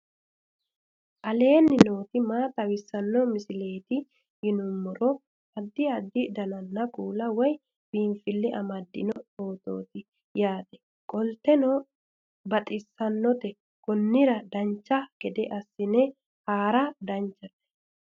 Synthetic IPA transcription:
ʔɐle̞ːnːɪnoːt̪ɪmaːt̪ʼɐwɪsːɐnːɔmɪsɪle̞ːt̪ɪ | hɪnʊmːɔɾɔ | ɐd̪ːɪɐd̪ːɪd̪ɐnɐnːɐkʼuːlɐwɔj | b̥iːɱfɪlːɛʔɐmɐd̪ːɪ̰nɔo̞ːt̪o̰ːt̪ɪ | jaːt̪ɛ̥ | kʼɔlt̪ːɛno | bɐt̪ʼɪsːɐnːɔt̪ɛ | ɡɔnːɪɾɐd̪ɐnt͡ʃːɐɡ̥ɛd̪ɛʔɐsːɪnɛ | haːɾɐd̪ɐnt͡ʃːɐlːɛ̥

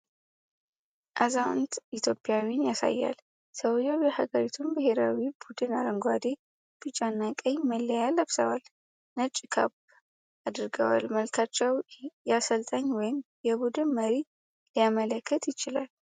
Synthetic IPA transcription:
ʔazawnt̪it̪ʰjo̞pʼjawjnjasa̰jːa̰l | səwjɛwjɛhaɡəɾit̪ʰumbɨhe̞ɾawibud̪ɨnaɾəŋɡʷad̪e | b̥ɨt͡ʃʼanːakʼəɲməlːəjalːəβsəwal | nət͡ʃʼːɪkʰa̰β | ad̪ɨɾɡəwa̰lməlkʰat͡ʃːɛwjasəlt̪ʼəɲːwɔjɪm | jɛbud̪ɨnməɾi | lijamələkʰːət̪jɪt͡ʃɪlal

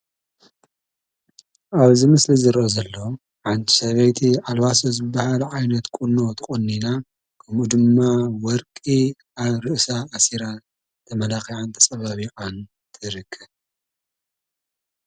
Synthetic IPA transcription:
ʔaβzimɨslizɨɾʔozɐlːo | ʕant̪ʰʼi̥sɐβɐjt̪ʰiʕalβasozɨbːahalʕajnɐt̪kʼuno̞t̪ʰɨχʼunːina | kʰɐmud̪ɨmːawɔɾkʼi | aβɾɨʔsaːsiɾa | t̪ʰɐmɐlaxiʕant̪ʰɐ̥sʼɐβaβikʼan | t̪ʰɨɾɨkʰːɐβ

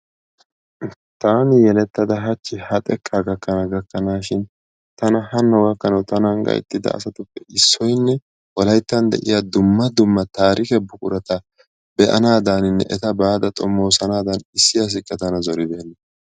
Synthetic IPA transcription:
t̪aːnɪjɛlɛt̪ːɐd̪ɐɦɐt͡ʃːɪhɐt̪ʼɛkʰʼːaːɡɐkːɐnɐɡɐkːɐnaːʃɪn | t̪ɐnɐhɐnːɐwɐkːɐnɐwt̪ɐnɐŋɡɐ̰jɛ̰t̪ːɪd̪ɐ̰ʔːsɐt̪ʊpːɛɪsːɔjnːɛ | wɔlɐjt̪ːɐnd̪ɛ̰ʔɪ̰jad̪ʊmːɐd̪ʊmːɐt̪aːɾɪkɛbʊkʼʊɾɐt̪ɐ | bɛʔɐ̰naːd̪anɪnːɛ̰ʔɛt̪ɐbaːd̪ɐt̪ʼɔmːo̞ːsɐnaːd̪ɐnɪsːɪjɐs̬ɪkʼːɛt̪ɐnɐzɔɾɪd̪eːnːɐ

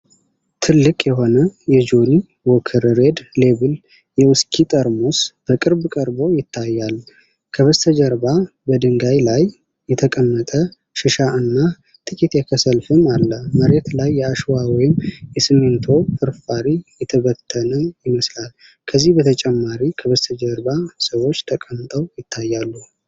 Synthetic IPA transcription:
t̪ʰɨlːɨkʼjɛɦo̞nəjɛd͡ʒoni | wɔkʰɨɾɾe̞d̪le̞βɨl | jɛwʊskʼʰit̪ʼəɾmo̞sb̥əkʼɨɾbkʼəɾbo̞jɪt̪ʰːajːal | kʰəβəst̪ʰəd͡ʒəɾba | bəd̪ɨŋɡajlajː | ɛt̪ʰəkʼəmːət̪ʼə | ʃɨʃaɨnːa | t̪ʰʼɨkʼit̪jɛkʰəsəlfɨmalːəməɾet̪lajːɛaʃwawɔjɪmjɛsɨment̪ʰo̞fɨɾfaɾijɛt̪ʰəβət̪ʰːənəjɪməslal | kʰəzːihbət̪ʰət͡ʃʼɛmːaɾikʰəβəst̪ʰəd͡ʒəɾbasəwo̞t͡ʃːt̪ʰəkʼəmt̪ʼəwjɪt̪ʰːajːalːu

